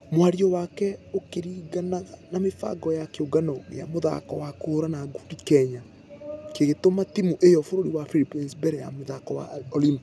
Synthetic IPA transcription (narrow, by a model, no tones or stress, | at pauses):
mwaɾiɔwakɛokeɾiːɡanaɣanamefa̰ɡɔjakeoɡanɔja̰moða̰kɔwakoɾanaɡudikɛɲa | keɣetomatimuʔejɔfoɾoɾiwafilipinsbɛɾɛja̰moðakɔwa̰ɔlimb